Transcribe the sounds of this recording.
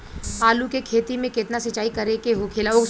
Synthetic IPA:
aːlukekʰeːt̪imẽkɪt̪nasɐt͡ʃaːikɐɾekeɦokʰeːlaoːk

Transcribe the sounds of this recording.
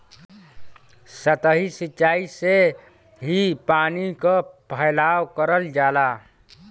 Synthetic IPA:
sət̪əɦisit͡ʃːʃaːise | ɦipaːnikapʰəɪlaːwkəɾəld͡ʒaːla

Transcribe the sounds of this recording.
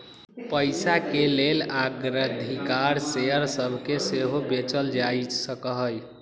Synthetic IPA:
pəjsakelelaɡɾəd̪ʱikaɾsejəɾsəbʱkeseɦobet͡ʃəld͡ʒajt͡ʃsəkəɦəj

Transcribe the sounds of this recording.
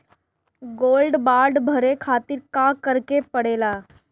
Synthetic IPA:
ɡoːlɖbaːɾɖbʱəɾekʰaːt̪ɪɾkãkəɾkepəɽeːlaː

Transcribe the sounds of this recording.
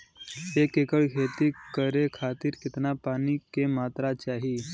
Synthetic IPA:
ekekəɭɡʱet̪iːkəɾekʰat̪iːɾkit̪napanikemat̪ɾat͡ɕaɦiː

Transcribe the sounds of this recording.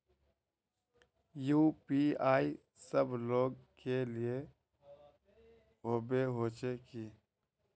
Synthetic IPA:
juːpiːaːi | səbloːɡkelie | ɦoːbeɦoːt͡ʃeki

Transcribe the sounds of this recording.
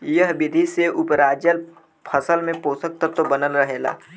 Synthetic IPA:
jəɦbɪd̪ʱiseʔʊpɾaːd͡ʒəl | pʰəsəlmẽpoːsək̚t̪ət̪obənəlɾəɦeːla̰ː

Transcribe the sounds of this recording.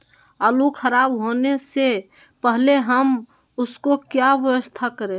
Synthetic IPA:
əlukʰəɾaːbɦoːnese | pəɦleɦəm | ʊskokjaʋəwəst̪ʰakəɾẽː

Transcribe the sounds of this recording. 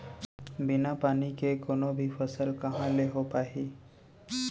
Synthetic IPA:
bɪnapaːnikekonobʱifʰəsəlkəɦãleɦopaːɦi

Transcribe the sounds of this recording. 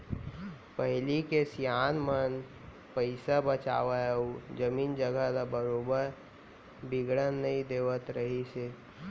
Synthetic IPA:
pəɦɪlikesjaːnmən | pəɪsabət͡ʃa̰ːʋaud͡ʒəmiːnd͡ʒəɡəlabəɾobəɾ | biɡɽənːəĩd̪eːʋət̪ɾəɦise

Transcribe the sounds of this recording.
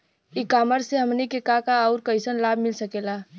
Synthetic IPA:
ikaːməɾseɦəmnikekakaːʊɾkəɪsənlabʱmɪlsəkela

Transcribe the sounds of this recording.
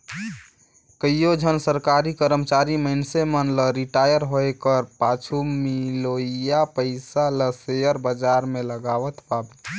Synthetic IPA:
kəijod͡ʒʱənsəɾkaɾikəɾəmt͡ʃaɾimənsemənləɾiʈajəɾɦoekəɾpat͡ʃʰumiloijapəɪsaləsejəɾbəd͡ʒaɾmeləɡaʋət̪pabet̪

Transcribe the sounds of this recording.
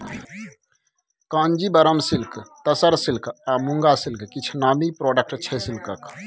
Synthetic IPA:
kãːnd͡ʒibəɾəmsilkt̪əsəɾsilkamũŋɡasilkkit͡ʃʰnaːmipɾɔɖək̚ʈt͡ʃʰɛsilkək

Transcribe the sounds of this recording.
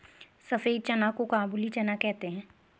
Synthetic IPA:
sɐfeːt͡ʃɐnakokaːbulit͡ʃɐnakɛɦt̪eɦɛ̃ː

